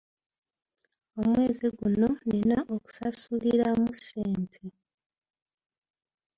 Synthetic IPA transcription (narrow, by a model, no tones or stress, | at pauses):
o̞mwe̞ːziɡuno̞nenaʔoku̥sasuliɾamuse̞ːntʰe